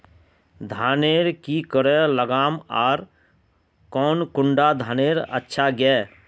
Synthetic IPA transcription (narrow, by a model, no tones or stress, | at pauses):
d̪ʱaːneːɾkikəɽeləɡaːmaːɾ | kɔːnkʊɳɖad̪ʱaːneːɾə̰tːʃʰaɡɛː